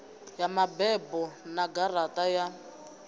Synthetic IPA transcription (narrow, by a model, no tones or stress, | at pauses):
jamabɛbɔnaɡaratʼaja